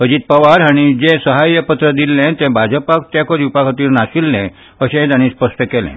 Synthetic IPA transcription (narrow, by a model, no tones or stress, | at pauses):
əd͡ʑiːt̪̚pəʋaɾɦaɽ̃id͡ʑɛ̃səɦajəpət̪ɾəd̪ilːɛ̃t̪ɛ̃bʱad͡ʑəpakt̪jɛ̃koɾiupakʰət̪iːɾnaɕilːɛ̃ | əɕɛ̃d̪añĩːspəsʈəkɛlɛ̰̃